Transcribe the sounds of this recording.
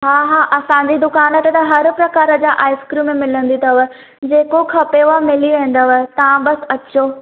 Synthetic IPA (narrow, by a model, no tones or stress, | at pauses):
ɦaːɦaːʔɐsãɲd͡ʑid̪ʊkaːnət̪et̪ɐɦɐɾpɾɐkaːɾəd͡ʑaːʔaːɪskɾimẽmɪlə̃n̆d̪it̪ʰɐʋə | d͡ʑeːkokʰɐpeʋamɪliʋẽːn̆d̪əʋəɦt̪ɐʋãbɐs̆ɐt͡ɕoː